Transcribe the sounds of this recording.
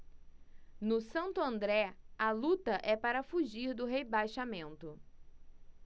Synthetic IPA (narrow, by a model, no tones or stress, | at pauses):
nʊsɐ̃nt̪ʊɐ̃nd̪ɾɛɐlut̪ɐʔɛpaɾɐfuʒiɾd̪ʊɦebajʃamẽnt̪ʊ